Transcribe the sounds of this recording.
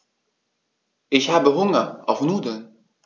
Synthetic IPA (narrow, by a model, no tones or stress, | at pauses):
ɪçɦaːbəɦʊŋəɔ̰fnuːdən